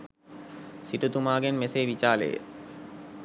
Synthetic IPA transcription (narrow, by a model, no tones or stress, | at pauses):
siʈət̪umaːɡenmeseːʋit͡ɕaːlə̰jə̰